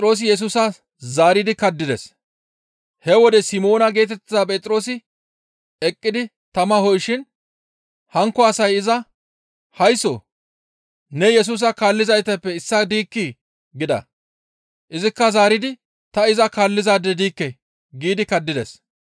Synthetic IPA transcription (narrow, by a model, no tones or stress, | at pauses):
t̪ʼɾo̞ːs̬ɪjɛs̬uːsɐ | zaːɾɪd̪ɪkɐd̪ːɪd̪ɛs | hɛwɔd̪ɛsɪmo̞ːnɐɡe̞ːt̪ɛt̪ːɪzaːpʼɛt̪ʼɾo̞ːsɪ | ɛkʼːɪd̪ɪ | t̪ɐmɐhɔjʃɪn | hɐŋkːɔɐsɐjɪzɐ | hɐjso̰ | nɛjɛs̬uːs̬ɐkaːlːɪzɐjt̪ɐpːɛɪsːɐd̪iːkːi | ɡɪd̪ɐ̰ | ʔɪzɪkːɐzaːɾɪd̪ɪ | t̪ɐɪzɐkaːlːɪzaːd̪ːɛd̪iːkːɛ | ɡiːd̪ɪkɐd̪ːɪd̪ɛs